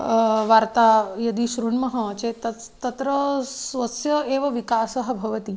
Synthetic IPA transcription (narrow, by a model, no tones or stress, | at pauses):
ʋaːɾt̪ajɐd̪iʃɾuɳmɐɦɐt͡ʃet̪ɐt̪ɐt̪ɾəsʋɐsjɐeːʋɐʋikaːsɐɦɐbʱɐʋɐt̪i